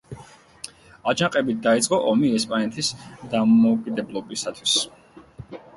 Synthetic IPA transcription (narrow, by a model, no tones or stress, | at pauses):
ad͡ʒaqʼɛbit̪̚d̪ait̪sʼqʼɔʔɔmiɛspʼanɛt̪ʰisd̪amɔukʼid̪ɛblˠɔbisat̪ʰwis